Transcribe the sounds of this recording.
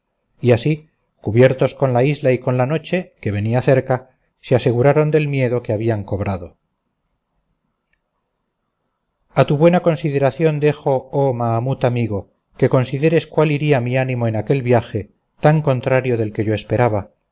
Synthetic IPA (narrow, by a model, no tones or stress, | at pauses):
iasi | kuβje̞ɾt̪o̞sko̞nlaizlaiko̞nlano̞t͡ʃe̞ke̞βe̞niaθe̞ɾka | sease̞ɣuɾaɾo̞nd̪e̞lmje̞ðo̞keaβ̞iaŋko̞β̞ɾaðo̞ | at̪uβwe̞nako̞nsið̞e̞ɾaθjo̞nd̪exo̞omaːmut̪amiɣo̞ | ke̞ko̞nsiðe̞ɾe̞skwaliɾiamianĩmo̞enake̞lβjaxe̞ | t̪aŋko̞nt̪ɾaɾjo̞ðe̞lke̞ʝo̞espe̞ɾaβa